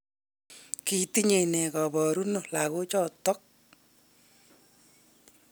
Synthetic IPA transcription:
ki˨ti˦ɲe˨nɛ˨kɔ˨bɔ˨ɾu˦no˨la˨ɣo˦t͡ʃɔ˦˨tɔ˦k̚

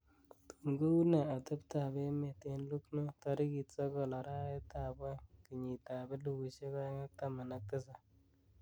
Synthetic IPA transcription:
tu˨ŋɡo˦u˦na˨a˨tɨ˦pta˨be˦me˨te˨nlu˦kno˦ta˨ɾɪ˦ki˨tsɔ˦ɡɔ˨la˨ɾa˦e˦ta˨bwe˦ki˨ɲi˨ta˨be˦lu˨wu˨ʃe˦kɔ˦ŋa˦k̚ta˦ma˨na˨k̚tɪ˦sa˨

